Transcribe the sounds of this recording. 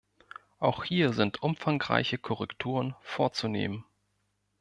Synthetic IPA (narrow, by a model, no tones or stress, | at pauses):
ʔaʊxhiːɐzɪntʔʊmfaŋʁa̰ɪçəkʰɔʁɛktʰuːʁənfoːɐt͡sunḛːmən